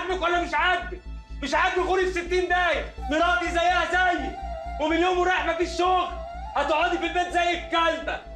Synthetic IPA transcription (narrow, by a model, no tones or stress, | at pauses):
mekwælːæmɪʃʕad̪ː | mɪʃʕad̪ːɣuɾifset̪ːiːnd̪æːj | neɾˤɑːbizæjːæhæzæjːwemɪnjoːmɾˤɑħmæfiʃːoɣɾ | hæt̪ʕɑːd̪ifilbæːt̪zæjːebkælbæ